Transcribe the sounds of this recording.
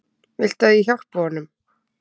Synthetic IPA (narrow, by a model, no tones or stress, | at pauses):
ɪl̥t̪aðiçar̥pɔnʏm